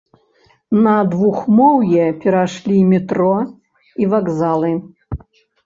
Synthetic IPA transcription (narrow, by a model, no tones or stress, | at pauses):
nɐd̪vuxmɔwjɛpʲɛɾaʂlʲimʲɛt̪ɾɔ | ivaɡzalˠɨ